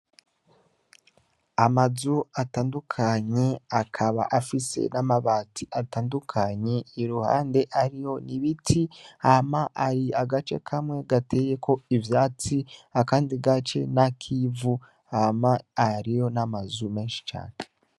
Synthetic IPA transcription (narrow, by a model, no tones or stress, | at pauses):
amazuataːndukʰaɲe̞akʰaβa̰ʔafise̞̰namaβaːtiʔataːndukʰaɲe̞iɾuha̰ːnde̞ʔaɾijo̞niβitʰihamaʔaɾiaɡat͡ʃe̞̰kʰamŋe̞ɡate̞je̞kʰo̞ivjaːt͡siakaːndiɡat͡ʃe̞̰nakʰivu | amaːɾijo̞namazume̞ːnʃi̥t͡ʃa̰ːne